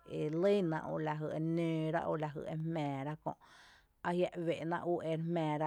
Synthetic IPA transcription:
e˨lə˦nã̰˧ʔo̰˧ʔla˧ɦɨ˧˨ʔe˧nø̃ː˧ɾa̰˦ʔo̰˧˨la˨ɦɨ̰˧˨ʔe˦˧mɛ̃ː˨ɾa˦kõ̰˧ʔ | a˧hja˧ʔwe˨ʔnã˧ʔu˦ʔe˧ɾmɛ̃ː˨ɾa˦

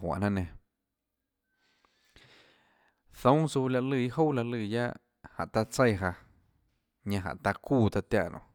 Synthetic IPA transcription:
wã̰˨ʔnã˦nẽ˧˨ | θõ˦su˧la˧ʔlɨː˧˨i˦ho˦la˧lɨː˧˨ja̰˦ʔ | ha̰˨ʔt̪a˧t͡se˧jɦa˧ | ɲã˧ɦã̰˨ʔt̪a˧kuː˧˨t̪a˧t̪ja˧ʔnõ̰˧˨

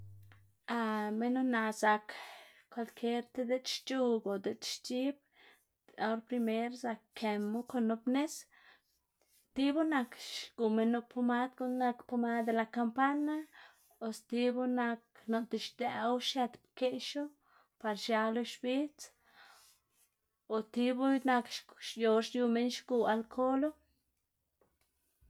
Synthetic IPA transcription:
a˧me˦no˦na˧za˧k | kwa˧lkʰe˦ɾt̪e˦d̪e˦t͡ʃʃt͡ʃu˧ɡo˨d̪e˨t͡ʃʃt͡ʃi˦b̚ | a˧o˦ɾpɾi˧me˦ɾza˧kːʰe˨mu˦ko˧no˧pne˦s | t̪i˦bu˦na˧kʃɡ̥u˨me˧nu˧pʰo˧ma˦d̪ɡu˧na˧kpo˧ma˦d̪e˧la˧ka˧mpa˦na˦ | o˨st̪i˧bu˦na˧kno˧t̪i˨ʃd̪ɛ˧˨wʃe˧t̪pke˦ʃo˦ | pa˧ɾʃa˧lo˧ʃbi˦t͡s | o˨t̪i˧bu˦na˧kʃʃjo˧ʃju˧me˧˦nʃɡu˧a˧lkʰo˦lo˦

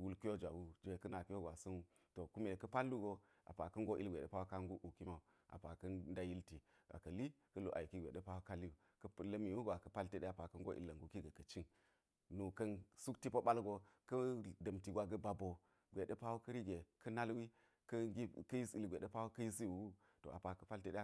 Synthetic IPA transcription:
wu˦lki˦jo˦d͡ʒʷa˨wu˦d͡ʒe˨kɐ˦na˨ki˦jo˦ɡʷa˨sɐ˦nu˦ | to˨ku˦me˨kɐ˦pa˦lːu˦ɡo˨ | a̰˨pa˨kɐ˦ŋɡo˦ʔi˦lɡʷe˨ɗe˦pa˦wu˦ka˦ŋɡu˦ʔu˨ki˦ma˦u˨ | a̰˨pa˨kɐ˦nda˦ji˦lti˨ | a̰˨kɐ˨li˦ | kɐ˦lo˨ʔa˨ki˦ɡʷḛ˨ɗe˦pa˦wu˦ka˦lːi˦o˨ | kɐ˦˨lɐ˦mi˨wu˦ɡʷa˨kɐ˨pa˦lte˦ɗe˦a˨pa˨kɐ˦ŋɡo̰˦ʔḭ˨˦lːɐ˨ŋɡu˨ki˦ɡɐ˨kɐ˨t͡ʃi˦n | nu˨kɐ˦nsu˦kti˦po˦ɓa˦lɡo˨kɐ˦dɐ˨mti˨ɡʷa˨ɡɐ˦ba˨bo˨ | ɡʷe˨ɗe˦pa˦wu˦kɐ˦ɾi˦ɡe˨kɐ˦na˦lwi˦ | kɐ˦ɡi˦kɐ˦ji˦si˨lɡʷe˨ɗe˦pa˦wu˦kɐ˦ji˦s̬i˦wu˨wu˦ | to̰˨a˨pa˨kɐ˦pa˦lte˦ɗe˦

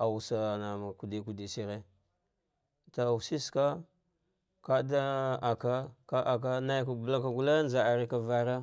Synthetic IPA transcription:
a˨wu˨sa˨na˨ma˨ku˨di˨ku˨di˨si˦ɾe˦ | ta˨wu˨si˦ska˦ | ka˦da˦a˨ka˦ka˦ʔa˨k̬a˦na˦jka˨bla˦ka˨ɡu˦la˦nd͡ʒa˨a˨ɾi˦ka˨va˦ɾa˦

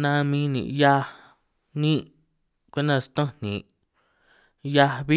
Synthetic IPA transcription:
nã˧mĩ˧˦nḭ̃˨ʔja˦˧ | nĩ˦ʔ | kʷi˦nã˧st̪õ˦nḭ̃˨ʔ | ja˧βi˦

